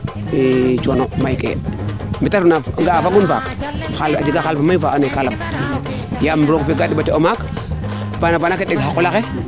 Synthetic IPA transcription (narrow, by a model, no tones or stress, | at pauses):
it͡ʃonomajkḛmitaɾunaɡaafaɡunba̰kxala̰d͡ʒiɡaxalbamajvaanekalam | jambɾokfeɡaɗibateomak | banavanakeɗiɡɦakulake